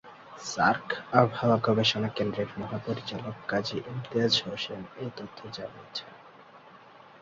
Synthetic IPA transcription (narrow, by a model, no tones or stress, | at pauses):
saɾkʰabʱawakobeʃonakend̪ɾeɾmɔɦapoɾit͡ɕalokːad͡ʑiʔimt̪ead͡ʑɦoʃemejt̪ot̪ʰːod͡ʑaniet͡ɕʰe